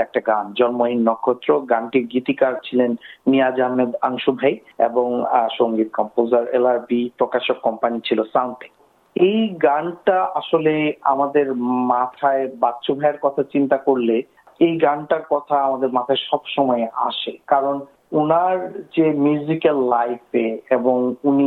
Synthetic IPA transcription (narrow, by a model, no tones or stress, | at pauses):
ɛk̚ʈaɡand͡ʑɔnmoɦinːɔkʰːot̪ːɾoɡanʈiɾɡit̪ikaɾt͡ɕʰilenːijad͡ʑaɦmed̪aŋʃubʱajḛboŋʃoŋɡit̪̚kɔmpozaɾḛlaɾbipɾokaʃokːɔmpanit͡ɕʰilosawnʈʰe̥k | ejɡanʈaʔaʃolea̰mad̪eɾmat̪ʰaebatːʃʰobʱaeɾkɔt̪ʰat͡ɕint̪akoɾle | ejɡaɳʈaɾkɔt̪ʰaamad̪eɾmat̪ʰaeʃɔbʃɔmɔea̰ʃekaɾon | unaɾd͡ʑemjuzikelːajfeeboŋuni